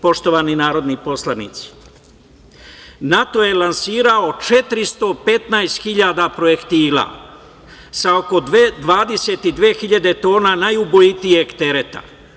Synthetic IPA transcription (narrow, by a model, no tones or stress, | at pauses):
po̞ʃt̪o̞ʋaːninaːɾo̞d̪nipo̞slˠanḭːt̪si̥ | nat̪o̞je̞lansiːɾao̞t͡ʃe̞t̪ɾist̪o̞pe̞t̪najst̪xiʎaːd̪apɾoje̞kt̪iːla̰ː | sao̞ko̞d̪ʋaːd̪e̞se̞t̪id̪ʋeːxiʎad̪e̞t̪o̞ːnanajubojit̪ijeɡt̪eɾe̞t̪a̰